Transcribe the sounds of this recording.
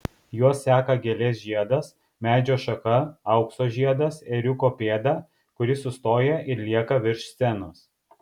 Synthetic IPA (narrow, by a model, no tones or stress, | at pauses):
juɔsːʲæːkɐɡʲɛlʲeːs̬ʲʒʲiɛd̪ɐs | mʲæːd͡ʒʲoːʃɐkɐɐʊksoːʒʲiɛd̪ɐsɛɾʲʊkoːpʲeːd̪ɐ | kʊɾʲɪsʊst̪oːjɛɪɾlʲiɛkɐʋʲɪɾʲʃssʲɛnʊs